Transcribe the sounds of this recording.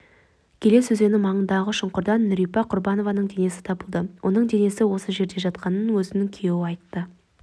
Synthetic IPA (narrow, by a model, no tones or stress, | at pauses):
kʲʰe̞lesɵze̞nɪmɑɴənd̪ɑʁəʃʊɴqʊɾd̪ɑnːʏɾijpɑqʰʊɾbɑno̞vɑnəɴd̪e̞ne̞sɪ̥t̪ʰɑbəlˠd̪əwʔo̞̰nəɴd̪e̞ne̞sɪwo̞səʒe̞ɾd̪e̞ʒɑt̪̚qɑnənwɵzɪnɪŋkʲʰeewɪɑjt̪ːə